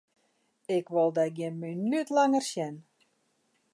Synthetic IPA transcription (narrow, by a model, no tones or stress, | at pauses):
ɪkʋolˠdɛɡjɪnminytlaŋərsjɛn